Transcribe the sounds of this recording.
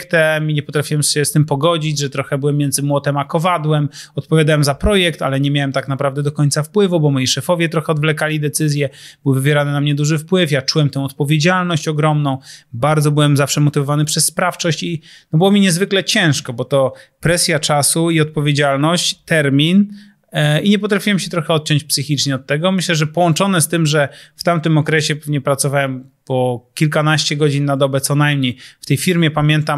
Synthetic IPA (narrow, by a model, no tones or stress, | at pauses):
kt̪ɛmiɲɛpɔt̪ɾafʲiwɛmɕɛst̪ɘmpɔɡɔd͡ʑid͡ʑʐɛt̪ɾɔxɛbɘwɛmːjɛnd̪zɘmwɔt̪ɛmakɔvad̪wɛmɔt̪̚pɔvʲjad̪awɛmzapɾɔjɛkt̪a̰lɛɲɛmʲjawɛmt̪aknapɾavd̪ɛd̪ɔkɔɲtsafpwɘvubɔmɔjiʂɛfɔvʲjɛt̪ɾɔxɛɔd̪vlɛkalʲid̪ɛt̪sɘzʲjɛb̥ɘwvɘvʲjɛɾanɘnamɲɛd̪uʐɘfpwɘfjat͡ʂuwɛmt̪ɛ̃w̃ɔt̪̚pɔvʲjed͡ʑalnɔɕt͡ɕɔɡɾɔmnɔ̃w̃baɾd̪zɔbɘwɛmzafʂɛmɔt̪ɘvɔvanɘpʂɛsːpɾaft͡ʂɔɕt͡ɕinɔbɘwɔmʲiɲɛzvɘklɛt͡ɕɛ̃w̃ʂkɔbɔt̪ɔpɾɛsʲjat͡ʂasuiɔt̪̚pɔvʲjed͡ʑalnɔɕt͡ɕt̪ɛɾmʲin | iɲɛp̬ɔt̪ɾafʲiwɛmɕɛt̪ɾɔxɛɔt̪̚t͡ɕɔ̃ɲt͡ɕpsɘxʲit͡ʂɲɛɔt̪ːɛɡɔmɘɕlɛʐɛpɔwɔnt͡ʂɔnɛst̪ɘmʐɛft̪amt̪ɘmɔkɾɛɕɛpɛvɲɛpɾat̪sɔvawɛmpɔkʲilkanaɕt͡ɕɛɡɔd͡ʑinːad̪ɔbɛt̪sɔnajmɲejft̪ɛjfʲiɾmʲjɛpamʲjɛnt̪am